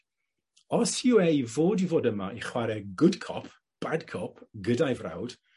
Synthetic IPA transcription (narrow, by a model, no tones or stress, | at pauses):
ɔshiwɛvoːdivoːdəmaʔiχwaɾɛɡʊdkʰɔ̰pʰ | b̥adkʰɔpʰɡədajvra̰wd̥